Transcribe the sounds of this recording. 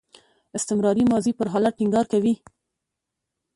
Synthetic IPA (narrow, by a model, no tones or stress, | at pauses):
ɪst̪ɪmɾɑɾimɑzipəɾɦɑlaʈ̚ʈiŋɡɑɾkawi